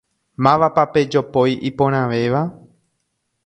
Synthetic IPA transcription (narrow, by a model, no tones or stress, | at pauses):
mãʋapape̞d͡ʒo̞pojʔipõɾ̃ãʋe̞ʋa